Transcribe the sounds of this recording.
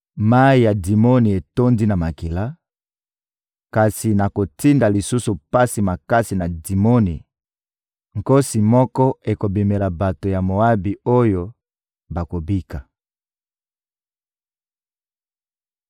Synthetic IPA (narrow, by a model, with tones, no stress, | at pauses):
ma˦i˨ja˨di˨mo˦ni˨e˨to˦ndi˦na˨ma˨ki˨la˦ | ka˨si˨na˨ko˨ti˦nda˨li˨su˦su˨pa˦si˨ma˨ka˦si˨na˨di˨mo˦ni˨ | ŋko˦si˨mɔ˦kɔ˦e˨ko˨bi˨me˨la˨ba˨to˨ja˨mo˨a˦bi˨o˦jo˨ | ba˨ko˨bi˦ka˨